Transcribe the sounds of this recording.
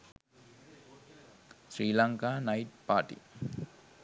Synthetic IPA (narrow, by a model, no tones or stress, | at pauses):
sɾiːlaŋkanajʈ̚paːʈḭ